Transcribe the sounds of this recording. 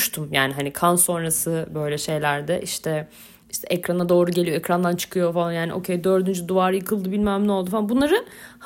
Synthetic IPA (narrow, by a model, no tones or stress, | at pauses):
ʃt̪ʰumjaːniɦanikʰanso̞nɾasɯbø̞jlʲɛʃe̞jlʲæɾd̪ɛʔiʃt̪ʰɛ | iʃt̪ʰɛʔɛcɾanad̪o̞ːɾuɟe̞lʲijoɛcɾand̪ant͡ʃʰɯ̥kʰɯjo̞falˠanjaːnḭʔo̞̰cʰejd̪ø̞ɾd̪ynd͡ʒyd̪uvaːɾɯjɯkʰɯlˠd̪ɯbilʲmæmno̞lˠd̪ufalanbunlˠaɾɯh